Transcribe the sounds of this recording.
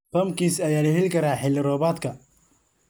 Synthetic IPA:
pɐmkʰiːsɐjaːlɐɦɛlkʰɐɾaːħɪlɪɾɔːβaːd̪kʰɐ

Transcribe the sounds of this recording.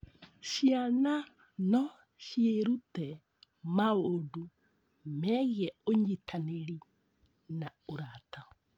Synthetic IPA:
ʃiana | nɔ | ʃjeɾutɛ | maodu | mɛɣiɛoɲitʰaneɾi | naoɾata

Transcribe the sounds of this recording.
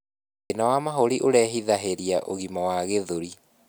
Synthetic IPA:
enawamaɦoɾiʔoɾɛɦiðaɦeɾiaʔoɣimawaɣeðoɾi

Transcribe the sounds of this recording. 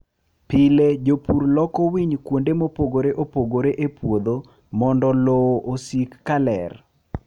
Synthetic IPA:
pɪled͡ʒopuɾlɔkɔwiɲkwondemopoɡoɾeʔopoɡoɾeʔepwod̪o | mɔndɔloʔosikːalɛ̰r

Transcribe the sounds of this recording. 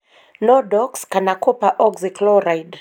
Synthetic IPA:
nɔdɔkskanakɔpaʔɔɡziklɔɾajd

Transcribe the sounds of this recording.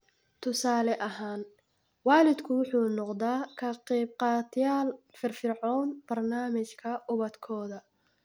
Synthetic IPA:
t̪ʰʊsaːlɛʔɐɦaːn | wɑːlɪd̪kʰʊwʊħuːnɔqd̪aːkʰɐqiːbqɑːt̪ʰjaːlfɪrfɪrʕɔːnb̥ɐrnaːmɪt͡ʃkʰɐʔʊβɐd̪kʰɔːðɐ

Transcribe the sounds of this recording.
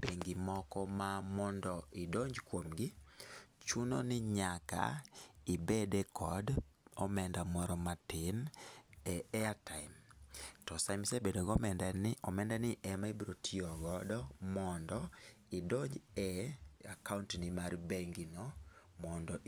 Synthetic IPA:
b̥eŋɡimɔkɔmamɔndɔʔɪdoɲd͡ʒkwomɡɪ | t͡ʃuno̰nɪɲaka̰ibedekʰɔdɔmɛndamɔɾɔmatɪnɛɛataɪmtɔsamsebedoɡɔmɛdanɔmɛndanɪʔɛmaibɾotʰiɔɡɔdɔmɔndɔ | idoɲd͡ʒɛakauntnimarbeŋɡinɔmɔndɔʔ

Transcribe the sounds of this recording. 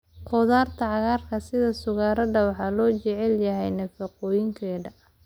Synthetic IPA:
qʰɔðaːrt̪ʰɐʕɑɣaːrkʰɐsɪðɐsʊɣaːɾɐɖɐwɑħɑlɔːt͡ʃɛʕɛljɐɦɛjnɐfɐqɔːjɪŋkʰɛːðɐ

